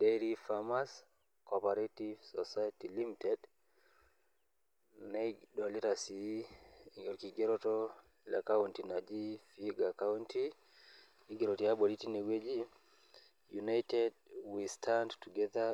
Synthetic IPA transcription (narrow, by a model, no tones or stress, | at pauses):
deɾifamas | kɔpaɾetivsɔsajatilimitɛd | nedɔliɾasi | ɔkiɡeɾotɔ | la̰kawuntinad͡ʒifiɡakawuntʰi | niɡeɾotiabɔɾitinewed͡ʒi | junajtɛdwistʰandtuɡɛða